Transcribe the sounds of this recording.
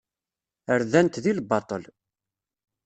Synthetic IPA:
əɾðænt̪ðilbɑt̪ˤəl

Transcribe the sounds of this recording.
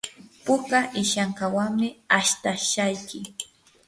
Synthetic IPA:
pʊkaʔɪʃaŋkawaŋmɪaʃt̪aʃajkɪ

